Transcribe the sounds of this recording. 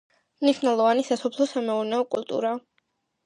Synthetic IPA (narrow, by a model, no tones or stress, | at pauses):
mniʃnɛlˠɔvanisasɔpʰlˠɔsamɛuɾnɛɔkʼulˠt̪ʼṵɾa